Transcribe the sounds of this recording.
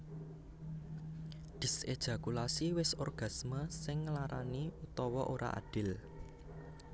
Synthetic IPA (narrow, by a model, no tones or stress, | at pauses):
d̪̥i̤sed̥ʒ̥a̤kulasiwɪsɔrɡ̥a̤sməsɪŋːlaɾaniut̪ɔwɔʔoɾa̰ʔa̰ɖ̥ɪ̤l